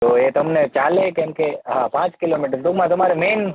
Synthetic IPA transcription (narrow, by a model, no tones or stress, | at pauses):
t̪oːjet̪ɐmnet͡ʃaːlekẽnkeɦãpãːt͡ʃkɪloːmiːʈəɾd̪ʊɡmãt̪ɐmaːɾemeːn